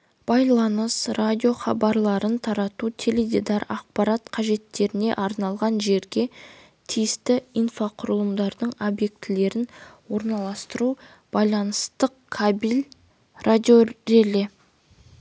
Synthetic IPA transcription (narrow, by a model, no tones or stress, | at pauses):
b̥ɑjlˠɑnəsrad̪ʲijo̞χɑ̰bɑɾlˠɑɾənt̪ʰɑɾɑt̪ut̪ʲʰeled̪ʲid̪ɑɾɑ̰q̚pɑɾat̪qʰɑʒe̞t̪ːe̞ɾɪne̞̰ʔɑɾnɑlˠʁɑnʒe̞ɾɡʲe̞ | t̪ʰijɪst̪ɪijnfaqʰʊɾəlˠəmd̪ɑɾd̪əɴo̞bje̞k̚t̪ɪle̞ɾɪnwo̞ɾnɑlˠɑst̪əɾu | b̥ɑjlˠɑnəst̪əqkʰabilʲ | rʔad̪ʲioɾelʲe